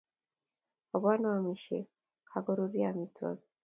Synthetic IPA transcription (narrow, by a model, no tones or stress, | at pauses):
oβwanamiʃḛ | kʰaɡoɾuβjamita̰βi